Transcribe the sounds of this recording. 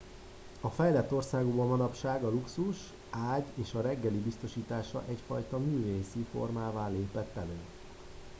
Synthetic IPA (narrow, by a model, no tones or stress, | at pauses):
ɒfɛjlɛt̪ːo̞rsaːɡobɒmɒnɒpʃaːɡɒluksuʃ | aːɟeːʃɒɾɛɡːɛlibist̪o̞ʃiːt̪aːʃɒ̰ʔɛcfɒjt̪ɒmyːveːsifo̞̰rmaːvaːleːpɛt̪ːɛløːn